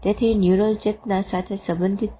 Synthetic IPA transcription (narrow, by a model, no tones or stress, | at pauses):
t̪et̪ʰinjuɾold͡ʒepnasat̪ʰesə̃mbənd̪ʱit̪̚